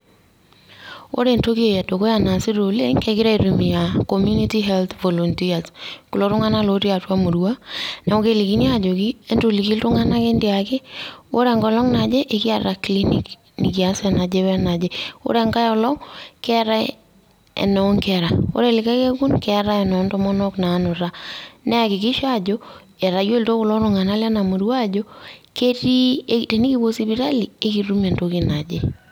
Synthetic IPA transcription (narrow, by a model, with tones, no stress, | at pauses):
o̰˦ɾe˨nto˦ki˦e˨ja˨do˨ko˦ja˨na˨si˦ɾo˨le˦ŋkɛ˨˦kɪ˦ɾa˦i˨ɾu˨mi˨ja˨ko˨mju˦ni˦ti˦ɦɛ˦lt̪vɔ˨lɔ˨ntia˨sku˨lo˨˦ɾʊ˦ŋa˦na˦loɾi˦a˨twa˦mu˨ɾu˨wa˦na˨mo˦ke˨li˨ki˦ni˦a˨d͡ʒo˨ki˦e˦nto˨li˨ki˦ltʊ˦ŋa˦na˦ke˦ndia˨kɪ˦o˦ɾe˨ŋɡɔ˨lɔ˦ŋna˨d͡ʒe˦ʔe˨ki˦a˨ɾa˨kli˦nḭ˨k | nɪ˨k̬i˨a˨sɛ˨na˨d͡ʒe˦wɛ˦na˨d͡ʒe˦o̰˦ɾe˨ŋka˦jɔ˨lɔ˦kɛ˦ɾa˦ | ḛ˨nɔ˨ɔ˦ŋkɛ˨ɾa˨o̰˦ɾe˨lɪ˨ka˦ke˦ku˦nkɛ˦˨ɾa˦ɛ˨nɔ˨˦ntɔ˦mɔ˦nɔ˦kna˨˦nʊ˨ɾanɛ˦a˨kɪ˨ki˦ʃa˦d͡ʒo˦ | e˨ɾa˨jo˦lto˦kʊ˨lɔ˦ɾʊ˨ŋa˨na˦lɛ˦na˨mo˨ɾwa˦˨d͡ʒo˦ke˦ti˦ete˨ni˦ki˦bo˦si˦bi˨ɾa˦li˨e˦ki˨ru˦me˨nto˨ki˨na˨d͡ʒe˦